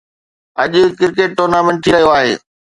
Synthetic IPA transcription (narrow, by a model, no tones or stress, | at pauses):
ɐʄʊkɪɾkeːʈ̚ːoːɾnaːmẽːɳʈʰiːɾɐɦijoaːɦeː